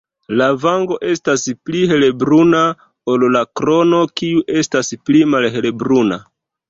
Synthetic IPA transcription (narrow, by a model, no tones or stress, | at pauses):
lavaŋɡo̞ʔe̞staspliɦe̞lebɾuna | ollakɾo̞no̞kiuʔe̞stasplimalɦe̞lebɾuna̰